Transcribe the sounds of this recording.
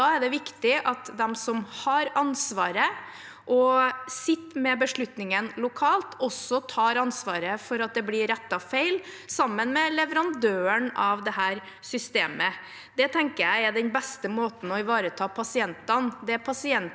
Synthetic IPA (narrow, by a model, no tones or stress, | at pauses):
ɑːæɖɛʋɪkt̪ɪʔɑt̪d̪ɛmsɔmhɑɾɑnsʋɑːɾə | ʔɔsɪt̪ːmɛbəʂɭʉt̪nɪŋənlʊkʰɑːlt̪ʰɔsːɔt̪ʰɑːɾɑnsʋɑːɾəfɔɾɑt̪̚d̪ɛblɪɾɛt̪ːɑfeɪl | sɑmːənmɛlɛʋəɾɑnd̪øːəɳɑʋd̪ɛɦæːɾ | sʏst̪eːmə | d̪̥ɛt̪ʰɛŋkəɾjæɪæd̪ɛnbɛst̪əmoːt̪n̩ɔɪʋɑːɾət̪ʰɑːpʰɑsɪɛnt̪ɑnd̪ɛæpʰɑsɪɛn